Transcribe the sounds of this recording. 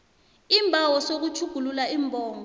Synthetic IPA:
iːmbʱawɔsok̬ut͡ʃʰuɡ̥ʱululaiːmbʱɔːŋɔ

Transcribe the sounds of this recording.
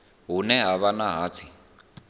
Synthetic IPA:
ɦunɛɦaβanaɦaːt͡sʰi̥

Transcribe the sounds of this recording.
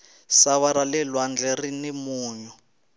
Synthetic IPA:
sawaɾalɛlwand͡ɮʱɛrinɛmuːɲɔ

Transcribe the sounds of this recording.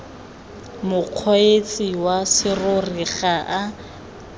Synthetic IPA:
mʊq͡χʰoet͡sʼiwasɪroriχaʔa

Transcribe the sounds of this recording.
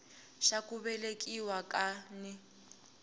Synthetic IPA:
ʃakuβɛlekʼiwakʼaːni

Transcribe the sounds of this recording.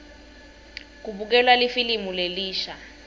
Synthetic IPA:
k̬uɓuk̬ɛlwalifilimuleliːʃa

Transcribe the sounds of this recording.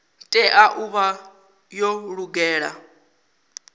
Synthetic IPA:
tʼɛʔaʔuβa | jɔɺuɡɛːɺa̰

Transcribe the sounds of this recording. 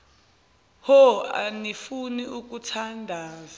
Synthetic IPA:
hɔa̰nifuniuk̬ʼutʰandʱaːza

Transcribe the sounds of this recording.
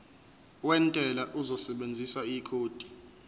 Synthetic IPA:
wɛntʼɛlaʔuzɔsɛɓend͡zʱisaikʰoːd̥ʱi̥

